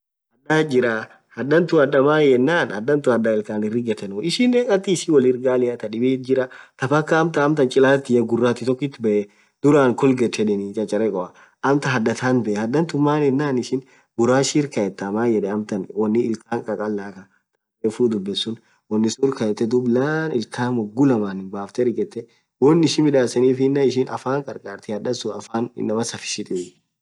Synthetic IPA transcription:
hɐdad͡ʒɪɾa | hɐd̪ːɐnt̪ʊɐd̪ɐmaːjɛnːaːnhɐd̪ɐnt̪ʊɐd̪aɪlkaːnɪrːɪɡɛt̪ɛnʊɪʃɪnːekʼɐt̪ːiːʃɪwɔlɪɾɡaːlɪɐt̪ɐᶑɪbeːd͡ʒɪɾat̪ɐfɐkːɐːmt̪ɐːmt̪ɐnt͡ʃʼɪlaːt̪ːɪjɐɡʊrːaːt̪ɪt̪ɔkːɪt̪ːɪbɛʔɛ | d̪̥ʊɾaːŋkʊlɡɛt͡ʃːɛᶑɛnit͡ʃʼɐt͡ʃʼɐɾɛkʼɔʔɐ | ɐmt̪ɐɦɐd̪ːɐt̪aːnbɛʔhɐd̪ɐnt̪ʊmːaːnjɛnːaːnɪʃɪn | ɡʊɾaːʃiːɾkɐjɛt̪ːɐmaːjɛᶑɛɐmt̪ɐnwɔnːɪɪlkaːŋkʼɐkʼɐlːaːkɐ | t̪ʼɐ | eːfuːd̪ʊbːɛsːʊn | wɔnːɪsuɾkɐɛt̪ːɛd̪ʊblaːnɪlkaːnwɔɡːʊlɐmaːnɪnbaːft̪ɛɾɡɛt̪ːɛ | wɔnːɪʃɪnmɪᶑaːsɐniːfnːɐɪʃɪnɐfaːŋkʼɐɾkʼaːɾt̪ɪɐd̪ɐsʊɐfaːn̰nːɐmɐsɐfɪ̥ʃɪt̪ʼɪ

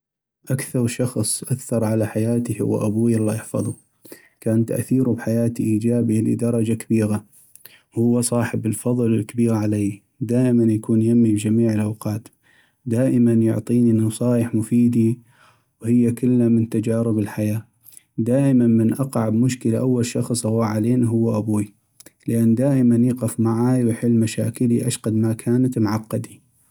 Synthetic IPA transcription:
ʔakθɑɾˤʃɑxsˤʔakθɑɾˤʕalaħajaːt̪ihʊ̰wa̰ʔabuːjalˤːɑjɪħfɑ̰ðˤu | kaːnt̪a̰ʔθiːɾubħajaːt̪iʔiːd͡ʒaːbilḭd̪ɑɾˤɑd͡ʒakabiːɣa | hʊwːasˤɑːħɪbɪlfɑðˤlɪlkabiːɣʕalej | d̪aːʔɪmanjakuːnjamːibd͡ʒamiːʕɪlʔawqɑːt̪ | d̪aːʔɪmanjʊʕt̪ˤiːninɑsˤɑːjəħmʊfiːd̪i | whɪjːakɪlːamɪnt̪ad͡ʒaːɾɪbɪlħajaː | d̪aːʔɪmanmɪnʔɑqʕabmʊʃkəlaʔawːalʃɑxsˤʔɑwːaːʕaleːniɦʊwːaʔabuːi | lɪʔanːd̪aːʔɪmanjiːqɪfmaʕajwɪħɪlːmaʃaːkɪliʔaʃqɑd̪makʰaːnat̪mʊʕɑqːɑd̪i

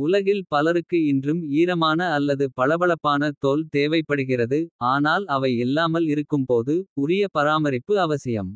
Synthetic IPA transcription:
ʊlɐɣɪlpɐlɐɾɯkːɯɪndrɯmiːɾɐmaːnɐːlːɐðɯpɐɭɐbɐɭɐpːaːnɐt̪oːlt̪eːʋɐɪpːɐɽɯɣɪrɐðɯaːnaːlɐʋɐɪɛlːaːmɐlɪɾɯkːɯmpoːðɯʊrɪjɐpɐɾaːmɐɾɪpːɯɐʋɐsɪjɐ̰m

